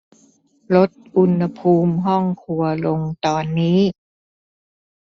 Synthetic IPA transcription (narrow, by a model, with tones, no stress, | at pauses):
lo˦˥t̪̚ʔu˧nha˧pʰuː˧mɦɔ˥˩ŋkʰu˧ɐlo˧ŋt̪ɔː˧nːiː˦˥